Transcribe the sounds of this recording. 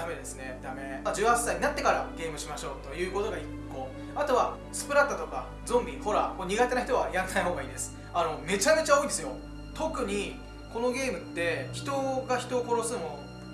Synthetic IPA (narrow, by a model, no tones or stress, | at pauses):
ame̞d̪e̞sɨne̞d̪ame̞d͡ʑɨːhasːaiɲinat̪ːe̞kaɾa̰ɡe̞ːmɯ̟ɕimaɕo̞̰ːt̪o̞jɯ̟ːko̞t̪o̞ɡaikːo̞ | at̪o̞βa | sɨ̥pɯ̟ɾat̪ːat̪o̞ka | zõ̞mbʲiho̞ɾakoɲ̟iɡat̪e̞naçi̥t̪o̞βaiɾãnːaiɦo̞ːɡaiːnd̪e̞sɨ̥ | ano̞me̞t͡ɕame̞t͡ɕao̞ĩndesɨjo̞̰ | t̪o̞kɯ̟ɲ̟i | ko̞no̞ɡʲe̞ːmɯ̟t̪ːe̞çi̥t̪o̞ɡaçi̥t̪o̞ːko̞ɾo̞sɨmo